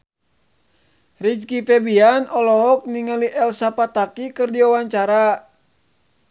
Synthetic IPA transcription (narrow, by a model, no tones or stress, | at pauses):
rid͡ʒkifɛbianʔɔlɔɦɔk̚niŋaliʔɛlsapat̪akikɨrdiawaɲt͡ʃaɾa